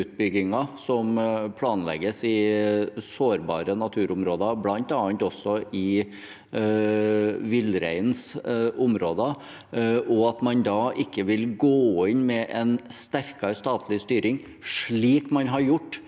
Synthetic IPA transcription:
ʉːt̪̚bʏɡɪŋɑsɔmpʰlɑːnlɛ̰ɡəsɪ | soːɾbɑ̰ːɾənɑt̪ʰʉːɾʊmɾoːd̪ɑblɑnt̪ɑːnt̪ɔsːɔʔɪ | ʋɪlɾæ̰ɪnsʊmɾoːd̪ə | ʔɔɑt̪mɑnd̪ɑːʔɪkːəʋɪlɡoːɪnmɛʔɛnst̪æɾkɑɾst̪ɑːt̪ʰlɪst̪yːɾɪŋ | ʂɭiːkmɑnɦɑɾjʊʈː

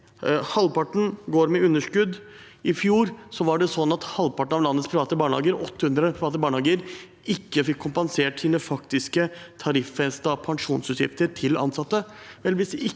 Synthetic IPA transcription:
hɑlpɑʈɳ̩ɡoːɾmɛʉnːəʂkʉd̪ | ɪfjuːɾsɔʋɑɖɛsɔnːɑt̪hɑlʋpɑʈɳ̩ɑʋlɑnːət̪spʰɾɪʋɑːt̪əbɑːɳlɑ̰ːɡəɾʔɔt̪ːəhʉnd̪ɾəpʰɾɪʋɑːt̪əbɑːɳɑːɡəɾ | ɪkːəfɪkʰːʊmpɑnseːʈsiːnəfɑkt̪ɪskət̪ʰɑɾɪfːɛst̪ɑpʰɑŋʂuːnsʉːt̪jɪ̰ft̪əɾʈʰɪlʔɑ̰nsɑt̪ːəʋɛlʋɪsd̪ɛɪ

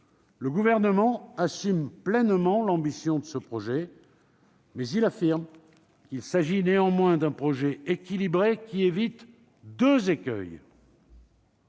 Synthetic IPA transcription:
ləɡuvɛʁnəmɑ̃asymplɛnmɑ̃lɑ̃bisjɔ̃d̪əsəpχɔʒɛ | mɛzilafiʁm | kʲilsaʒineɑ̃mwɛ̃d̪ɛ̃pχɔʒɛekʲilibʁekʲievit̪ | d̪øzekʲœ̰j

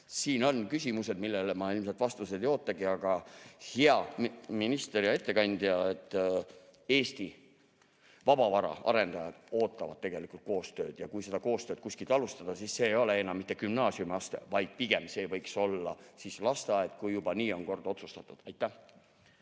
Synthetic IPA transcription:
siːno̞nkysʲimuse̞d̪milːelemɑilms̬elt̪vɑst̪use̞d̪ejo̞ːt̪ːˑɑɡiɑɡ̥ɑheɑminist̪eɾiɑe̞t̪ːe̞kɑnʲd̪̥iɑet̪ːˑ | e̞ːst̪i | vɑb̥ɑvɑɾɑ̰ɑ̰ɾe̞nd̪ɑjɑd̪̥o̞ːt̪ːˑɑvɑd̪̥̚t̪e̞ɡ̥elikult̪̚ko̞ːst̪ø̞ːd̪̥jɑkujse̞d̪ɑko̞ːst̪øːt̪̚kusʲkilt̪ɑlust̪ɑd̪̥ɑsisːe̞ːjo̞leenːɑmːit̪ːe̞kymnɑːsiumɑst̪ḛvɑjd̪̥̚piɡ̥e̞mse̞ːvɤjkso̞lːɑ̰sislɑst̪ɑet̪ˑkujːub̥ɑniːo̞nko̞rd̪̥o̞t̪su̥st̪ɑt̪ːˑud̪̥æjt̪ːˑæh

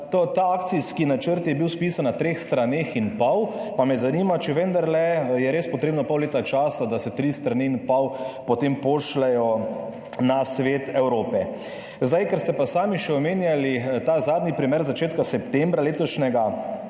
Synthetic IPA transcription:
t̪ot̪aaːkt̪siskinat͡ʃəɾt̪jɛbiwspiːsanːat̪ɾeːxst̪ɾaneːxinpawpamɛzaniːmat͡ʃɛʋənd̪aɾlɛjɛɾeːspɔt̪ɾeːbnɔpɔwleːt̪at͡ʃaːsad̪asɛt̪ɾist̪ɾaninpawpot̪empoʃlɛjɔ | nasʋeːt̪ɛwɾoːpɛ | zd̪ajkɛɾst̪ɛpasaːmiʃɛɔmeːnjalit̪aːzaːd̪nipɾimeːɾzat͡ʃeːt̪kasɛpt̪ɛmbɾaleːt̪ɔʃnɛɡa

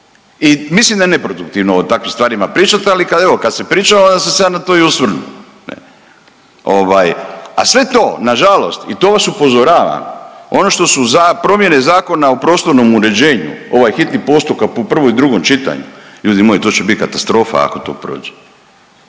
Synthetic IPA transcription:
imislimd̪aene̞pɾo̞d̪uk̚t̪iʋnoːt̪akʋimst̪ʋaːɾimapɾiːt͡ʃat̪ealikad̪e̞ʋo̞kad̪sepɾiːt͡ʃaond̪asesejanat̪o̞ːiusʋr̩nṵ | nḛ | oʋaːja̰sʋe̞t̪o̞ːnaʒalo̞̰st̪it̪o̞ːʋasupo̞zoɾaːʋa̰mo̞no̞ʃt̪o̞suzapɾo̞mje̞ne̞zaːko̞naopɾo̞ːst̪o̞ɾno̞muɾe̞d͡ʑe̞ːɲṵo̞ʋajxit̪nipo̞ːst̪ukakpopr̩ʋo̞id̪ɾuɡo̞mt͡ʃit̪a̰ɲṵʎuːd̪imojit̪o̞ːt͡ɕebit̪kat̪ast̪ɾo̞ːfa̰a̰ko̞t̪o̞̰ːpɾo̞̰ːd͡ʒe

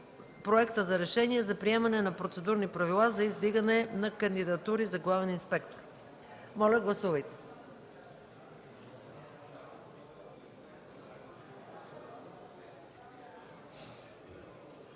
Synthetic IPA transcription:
pɾoɛkt̪əzɐɾɛʃɛniɛzɐpɾiɛmɐnɛnɐpɾot̪sɛd̪uɾnipɾɐvilˠazɐizd̪iɡənɛnɐkɐnd̪id̪ɐt̪uɾizɐɡlˠavɛninspɛkt̪o̥ɾ | mɔlʲɐɡlˠɐsuvɐjt̪ɛ̥

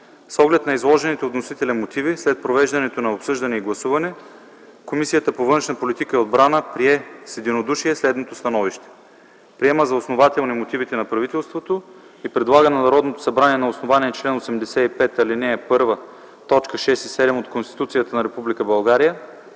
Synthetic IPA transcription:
sɔɡlɛt̪nɐizlˠɔʒɛnit̪ɛot̪nosit̪ɛlɛmot̪ivislɛt̪̚pɾovɛʒd̪ɐnɛt̪onɐopsɤʒd̪ɐnɛiɡlˠɐsuvɐnɛ | komisijət̪əpovɤnʃnɐpolit̪ikəiod̪̚bɾanəpɾiɛsɛd̪inod̪uʃiɛslɛd̪not̪ost̪ɐnɔviʃt̪ɛ̥ | pɾiɛməzɐosnovat̪ɛlˠnimot̪ivit̪ɛnɐpɾɐvit̪ɛlˠst̪vot̪o | ipɾɛd̪lˠaɡənɐnɐɾɔd̪not̪o̥sɐbɾaniɛnɐosnovaniɛt͡ʃlɛnosɛmd̪ɛsɛipɛt̪ɐlinɛpɤɾvə | t̪ɔt͡ʃkəʃɛsisɛd̪ɛmot̪konst̪i̥t̪ut̪sijət̪ənɐɾɛpublikəbɐlˠɡaɾijə

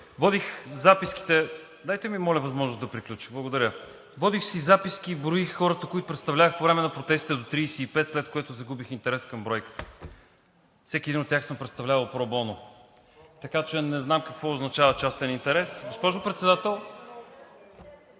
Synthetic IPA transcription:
vɔd̪ixzapiski̥t̪ɛ | d̪ajt̪ɛmimɔlʲɐvɐzmɔʒnʊsd̪ɐpɾiklʲut͡ʃixblˠɐɡod̪ɐɾʲə | vɔd̪ixsizapiskibɾʊixxɔɾət̪əkoit̪ʊ̥pɾɛt̪st̪ɐvlʲavəxpovɾɛmɛnɐpɾot̪ɛst̪i̥t̪ɛd̪ot̪ɾiːsɛipɛt̪slɛt̪̚koɛt̪ʊzɐɡubixint̪ɛɾɛskɐmbɾɔjkə̥t̪ə | fsɛkʲiɛd̪inot̪ʲːaxsɤmpɾɛt̪st̪ɐvlʲavɐlˠpɾobɔno | t̪ɐkat͡ʃɛnɛznamkɐkvɔʊznɐt͡ʃavət͡ʃast̪ɛnint̪ɛɾɛsɡospɔʒʊpɾɛt̪sɛd̪at̪ɛlˠ

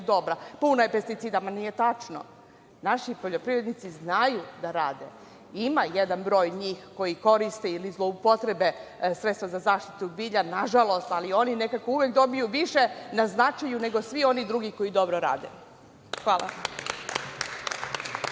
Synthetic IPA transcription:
d̪o̞bɾapunaje̞pe̞st̪it̪siːd̪amanije̞t̪at͡ʂno̰ | naʃipo̞ʎo̞pɾivɾe̞d̪nit̪siznajud̪aɾaːd̪e | imajed̪anbɾo̞ːjɲiːxko̞jiko̞ɾist̪eilizlˠo̞upo̞t̪ɾebe̞sɾet̪st̪ʋazazaːʃt̪i̥t̪ubiːʎanaʒalo̞st̪alio̞nine̞kako̞uʋjekd̪o̞bijuʋiʃenaznat͡ʃajune̞ɡo̞sʋio̞nid̪ɾuɡiko̞id̪o̞bɾoɾa̰ːd̪e | xʋaːla̰am

